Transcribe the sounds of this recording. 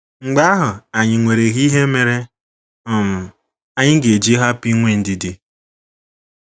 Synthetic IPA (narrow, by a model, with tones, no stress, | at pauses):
ŋ͡m̩˨ɡ͡ba˦a˦ɦʊ˨a˨ɲɪ˨ŋʷe˨ɾe˨ɣi˦ɦe˦me˨ɾe˦ | ʊ˦˨m̩˨ | a˦ɲɪ˦ɡe˨d͡ʒi˦ɦa˦pi˦ŋʷe˦n̩˦di˨di˦